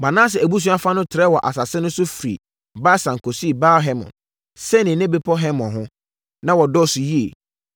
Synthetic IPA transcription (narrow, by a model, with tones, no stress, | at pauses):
mã˨nã˦s̬ɛ˨æ˨bu˦s̬ũ˦a˦fa˦nʊ̃˦tʰɪ˨ɾɛ˦wɔ˨ʔa̰˨sa˨sɛ˦nʊ̃˦sʊ˦fɾḭ˨ | baː˦sã˨ŋ˨kʰo˨si˦˨ba˦ɦɛ˦mɔ̰̃˨n | sɛ˦nɪ̃˨˦nɛ̃˦be˦pʰɔ˦ɦɛ˦mɔ̃˨ɦʊ̃˦ | nã˦wɔ˨dɔ˦˨sʊ˨ji˦ḛ˨